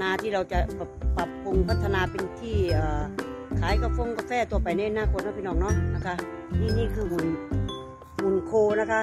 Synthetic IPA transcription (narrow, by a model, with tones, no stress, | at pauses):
naː˧t̪ʰiː˥˩ɾa˧wt͡ɕa˨˩pa˨˧˩pa˨˩pːu˧ŋpʰa˦˥t̪ʰːa˧naː˧pe˧nt̪ʰiː˥˩ʔaː˨˩ | kʰaː˨˩˦jka˧˩fo˧˥˨ŋka˧˩fɛː˥˩t̪u˧ɐpa˨˩jna˧˥˨naː˧˨koː˨˩t̪̚naː˧˥˩piː˧nɔː˨˩ŋnɔː˧˥˩ŋna˦˥kʰa˦˥ | niː˥˩niː˥˩kʰɯː˧mu˨˩˦n | mu˨˩nkʰoː˧na˦˥kʰa˦˥